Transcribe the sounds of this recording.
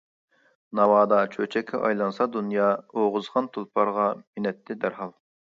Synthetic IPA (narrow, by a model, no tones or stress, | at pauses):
nɑwɑːd̪ɑt͡ʃʰøt͡ʃʰɛkʲʰːɛ̰ʔɑ̰jlˠɑnsɑd̪unjɑːoʁʊzʁɑnt̪ʰulˠpʰɑɾʁɑmɪnɛt̪ʰːɪd̪æɾɦɑlˠ